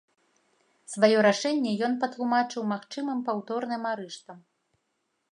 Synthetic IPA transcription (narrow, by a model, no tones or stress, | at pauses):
svajɔɾaʂɛnʲːɛjɔnpɐt̪lˠumat͡ʂɨwmaxt͡ʂɨmɨmpawt̪ɔrnɨmaɾɨʂt̪vɐ